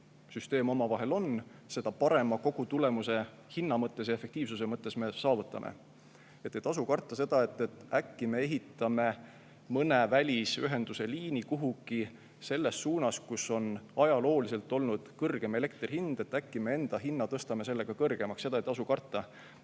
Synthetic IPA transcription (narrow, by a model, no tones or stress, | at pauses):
syst̪e̞ːmo̞mɑvɑɦe̞lo̞n | se̞d̪̥ɑpɑɾe̞mɑko̞ɡ̥ut̪ule̞muse̞ | hinːɑmɤt̪ːˑe̞s̬jɑe̞fe̞kt̪iːvsuse̞mɤt̪ːˑe̞sme̞sɑːvut̪ːˑɑmʔḛ | e̞t̪ˑːet̪ɑsukɑrt̪ːˑɑse̞d̪̥ɑe̞t̪ːe̞t̪ːˑækːime̞e̞ɦit̪ːˑɑme̞ | mɤne̞vælʲisyɦe̞nd̪̥use̞liːnikuɦuɡ̥i | se̞lːe̞sːuːnɑskusːo̞nɑjɑlo̞ːlise̞lt̪ːˑo̞lnud̪̥kɤrɡ̥e̞me̞le̞kt̪rʲihind̪̥e̞t̪ːˑækːime̞e̞nd̪̥ɑɦinːɑt̪ɤst̪ɑme̞se̞lːe̞ɡ̥ɑkɤrɡ̥e̞mɑksːe̞d̪ɑet̪ɑsukɑrt̪ˑːɑ